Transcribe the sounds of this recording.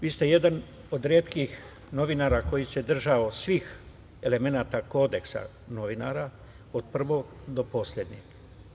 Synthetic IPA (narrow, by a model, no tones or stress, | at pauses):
ʋiːst̪e̞je̞d̪an | o̞d̪ɾeːt̪kix | no̞ʋinaːɾako̞jise̞d̪r̩ʒaosʋiːx | e̞le̞me̞naːt̪ako̞ːd̪e̞ksa̰ | no̞ʋina̰ːɾa | od̪̚pr̩ʋo̞ɡd̪o̞po̞slʎe̞d̪ɲiɡ